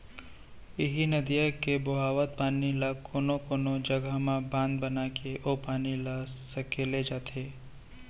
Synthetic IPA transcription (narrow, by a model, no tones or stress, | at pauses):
ɪɦinɐd̪ijakeboɦaːʋət̪̚paːnilakoːnokoːnod͡ʒəɡəɦmãbãːnd̪̚bənakeʔopaːnilasəkeled͡ʒaːt̪ʰeː